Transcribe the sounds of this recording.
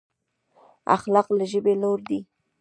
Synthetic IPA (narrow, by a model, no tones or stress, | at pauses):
a̰xlɑqlaʒəbeloɾd̪i